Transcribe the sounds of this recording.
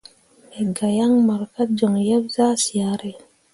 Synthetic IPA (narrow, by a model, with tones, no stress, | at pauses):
e˨ɡa˨ja˦ŋma˨ɾka˦d͡ʒɔ˨ŋja˦bza˦si˨a˨ɾe˨